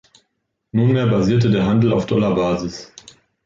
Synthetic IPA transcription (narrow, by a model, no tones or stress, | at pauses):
nunmeːɐbaziːɐtədeːɐɦandl̩a̰ʊfd̥ɔlabaːzɪs